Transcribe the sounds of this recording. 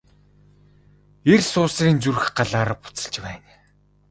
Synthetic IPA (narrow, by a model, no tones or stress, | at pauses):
ersʊːsriːnt͡sur̆xɢaɮaːɾpʊ̥t͡sə̆ɮt͡ɕpæːn